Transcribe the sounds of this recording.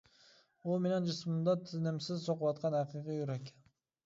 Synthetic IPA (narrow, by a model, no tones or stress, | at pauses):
umenɪŋd͡ʒɪsmɨmd̪ɑt̪ʰɪznɪmsɪzsoqwɑt̪̚qʰɑnæfiʁɨjyɾɛkʲʰ